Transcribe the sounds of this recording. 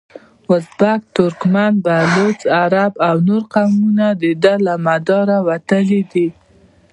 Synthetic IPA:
wʊzbakt̪ʊɾkmanbalot͡saɾabawnoɾqawmunad̪əd̪alamad̪ɑɾawat̪əlid̪i

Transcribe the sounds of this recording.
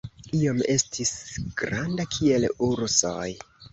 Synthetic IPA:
io̞me̞stʰisɡ̥ɾandakʰie̞luɾsoj

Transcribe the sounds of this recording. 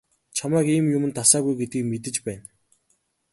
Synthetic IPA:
t͡ɕʰamæːkiːmjʊmɘ̆nt̪asaːɣujɡet̪ɡiːkmet̪ɘ̆t͡ɕpæːn

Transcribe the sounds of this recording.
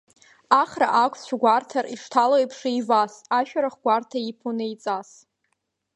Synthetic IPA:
aχraʔakʷʰst͡ʃʰʷᶣaɡʷartʰariʂtʰalojpʰʂijvasaʃᶣaɾaχɡʷartʰaipʰonɨjt͡sʼas

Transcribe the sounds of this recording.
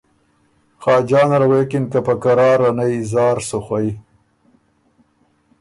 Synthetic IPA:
xɑːd͡ʒɑːnɾawekɪnkapakaɾɑːɾanajzɑːɾsuxwai

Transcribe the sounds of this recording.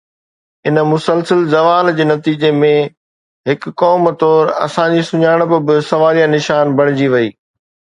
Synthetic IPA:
ɪnəmʊsəlsəlzɐʋaːld͡ʑeːnɐt̪iːd͡ʑemẽ | ɦɪkːɔːmt̪ɔːɾɐ̰sãd͡ʑisʊɲaːɪɽ̃bɪbɪsɐʋaːɾijãnɪʃaːnbʱɐɽ̃ɪd͡ʑiʋɐiː

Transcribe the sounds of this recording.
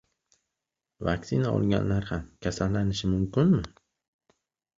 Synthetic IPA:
va̰ksinaɒ̰lˠɡʲa̰nlaɾhamkʰʲasalːanɪʃɪmʊmkʊnmɪ

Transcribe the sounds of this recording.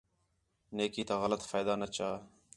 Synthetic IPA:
neːkiːt̪aːɣələt̪faːd̪aːnət͡ʃaː

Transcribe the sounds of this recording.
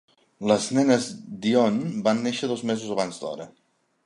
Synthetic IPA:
ləznɛnəzd̪ionbanːeʃəðozmezuzəβanzd̪ɔ̰ɾə

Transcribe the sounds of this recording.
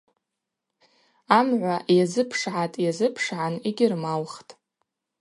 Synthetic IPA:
amʕʷajazɨpʰʂʕatʼjazɨpʰʂʕaniɡʲɪrmalχtʼ

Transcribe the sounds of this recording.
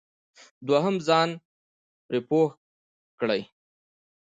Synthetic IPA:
d̪waɦəmzɑn | pɾepox | kɽəj

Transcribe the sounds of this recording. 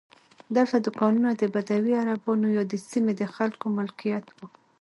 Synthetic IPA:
d̪alt̪ad̪ʊkɑnunad̪əbad̪awiaɾabɑnojɑd̪əsimed̪əxalkomʊlkijat̪wu

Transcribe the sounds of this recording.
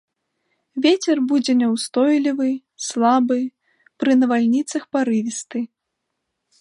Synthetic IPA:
vʲet͡sʲɛrbud͡zʲɛnʲɛwst̪ɔjlʲivɨ | slˠabɨ | pɾɨnɐvalʲnʲit̪sɐxpaɾɨvʲist̪ɨ

